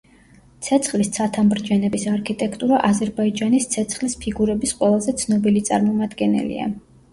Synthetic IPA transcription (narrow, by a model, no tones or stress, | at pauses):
t̪sʰɛt̪sʰχlist̪sʰat̪ʰamɾd͡ʒɛnɛbisaɾkʰit̪ʼɛkʰt̪ʼuɾaʔazɛɾbaid͡ʒanist̪sʰɛt̪sʰχlispʰiɡuɾɛbisqʼwɛlˠazɛt̪sʰnɔbilit̪sʼa̰ɾmɔmad̪ɡɛnɛ̰lḭa̰